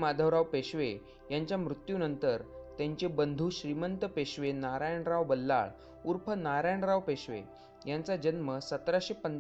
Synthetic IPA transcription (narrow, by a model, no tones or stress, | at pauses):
mad̪ʱəʋɾaʋpeɕʋe | jaɲt͡ɕjamɾut̪junənt̪əɾt̪jãɲt͡ɕebənd̪ʱuːɕɾimənt̪əpeɕʋenaɾajəɳɾaʋbəlːa̰ɭ | uɾpʰənaɾajɳɾaʋpeɕʋḛ | jant͡sad͡ʑənməsət̪ɾaɕepən